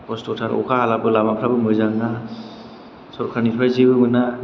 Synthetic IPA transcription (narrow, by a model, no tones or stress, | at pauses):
kɔstɔtʰaɾɔ̰kʰaɦalabɯlamapʰɾabɯmɯzaŋda | sɔɾkʰaɾnipʰaɾzibɯmɯna